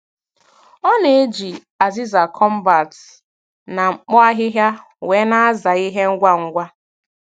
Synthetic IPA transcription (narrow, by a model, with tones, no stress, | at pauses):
ɔ˦ne˨e˦d͡ʒi˨ | a˨zi˦za˨kʰɔ˦m̩˦ba˨t | na˨ŋ͡m̩˨k͡pɔ˦a˦ɦɪ˦ɦja˦ | we˨˦na˦a˦za˨i˦ɦe˦ŋ̩˦ɡʷa˦ŋ̩˦ɡʷa˦